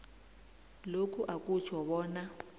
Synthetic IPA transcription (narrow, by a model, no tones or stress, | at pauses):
lokʰuʔakʼut͡ʃʰɔɓɔːna